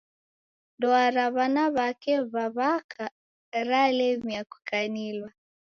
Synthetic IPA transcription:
dɔaɾaβanaβakɛβaβakʰa | ɾalɛmiaku̥kanilwa

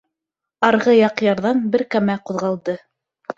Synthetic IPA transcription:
ɑɾʁɤjɑqjɑɾðɑnbɘɾkæmæquðʁɑlˠd̪ɤ

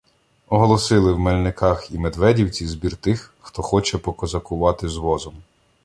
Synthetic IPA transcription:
ɔɦɔlˠɔsɪlˠɪwmelʲnɪkɑximed̪ʋɛdʲiwt͡sʲizbʲirt̪ɪxxt̪ɔxɔt͡ʃɛpɔkɔzɐkʊʋɑt̪ɪzʋɔzɔm

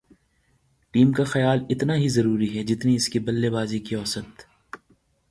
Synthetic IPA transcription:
ʈiːmkaxɐjaːlɪt̪naɦizɐɾuːɾiɦɛd͡ʒɪt̪niɪskibɐlːebaːzikiɔːsət̪

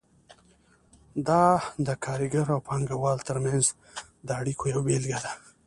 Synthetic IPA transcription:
d̪ɑd̪əkʰɑɾiɡaɾawpɑŋɡawɑlt̪əɾmjanz | d̪əaɽikʰojawbelɡad̪a

